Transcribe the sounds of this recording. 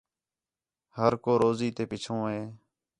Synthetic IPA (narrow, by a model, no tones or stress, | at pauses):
həɾkoːɾoːziːt̪eːpɪt͡ʃʰõːɦeː